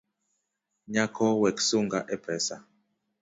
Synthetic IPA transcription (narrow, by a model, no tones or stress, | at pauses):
ɲakʰɔwɛksuŋɡaʔɛpɾɛsa